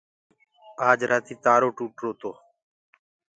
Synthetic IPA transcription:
aːd͡ʒɾaːt̪iːt̪aːɾoːʈuːʈɾoːt̪oː

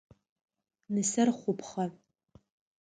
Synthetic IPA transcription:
nɨsɐrχʷʊpʰχɐ

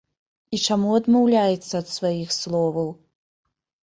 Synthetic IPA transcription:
it͡ʂamuɐd̪mawlʲajɛt̪sːɐːt̪svajixslˠɔvɐw

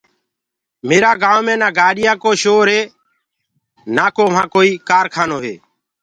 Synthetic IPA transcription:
meːɾaːɡãːʋmẽːnãːɡaːɗɪjaːkoːʃoːɾɦeː | naːkoːʋ̤ãːkoːiːkaːɾkʰaːnoːɦḛː

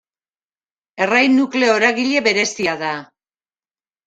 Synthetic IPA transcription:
e̞rajnukle̞o̞ɾaɣiʎe̞βe̞ɾe̞siaða

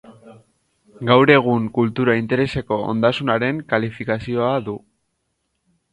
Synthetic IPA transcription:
ɡawɾe̞ɣ̞uŋkult̪uɾaint̪e̞ɾe̞se̞ko̞o̰nd̪asunaɾe̞ŋkalifikasio̞aðu

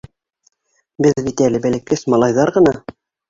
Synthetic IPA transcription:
bɘðbit̪ælɘ̆bælɘ̆kɘsmɑlˠɑjðɑɾʁɤ̆nɑ

